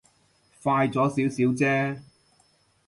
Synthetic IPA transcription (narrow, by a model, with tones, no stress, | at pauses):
faː˧jt͡sɔː˨˥siː˨˥wsiː˨˥wt͡sɛː˥